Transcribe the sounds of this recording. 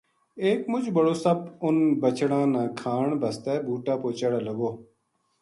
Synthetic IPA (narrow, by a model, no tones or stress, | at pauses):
eːkmʊd͡ʒʱbəɽoːsəbʊnbət͡ʃɽãːnãːkʰaːɳbəst̪ɛːbuːʈãːpoːt͡ʃəːɽaːləɡoː